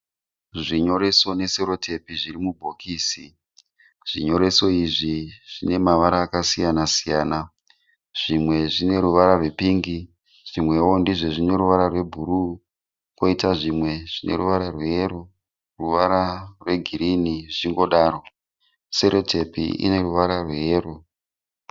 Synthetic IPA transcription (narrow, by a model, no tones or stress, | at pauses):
ʐiɲo̞ɾe̞so̞ne̞seɾo̞tʰe̞piʐirimubʱo̞kiːsi | ʐ̥iɲo̞ɾe̞so̞iʐiʐ̥ine̞maʋaɾaːkasijanasijaːna | ʐ̥imwe̞ʐine̞ɾuʋaɾarwe̞piːŋɡi | ʐ̥imwe̞wo̞ndiʐe̞ʐine̞ɾuʋaɾarwe̞bʱuɾu | ko̞itaʐimwe̞ʐ̥ine̞̰ruʋaɾarwejeɾo | ruʋaɾarwe̞ɡʱiɾiniʐiŋɡo̞ɗaːɾo̞ | seɾo̞tʰe̞pḭḭne̞ruʋaɾarwejeːro̞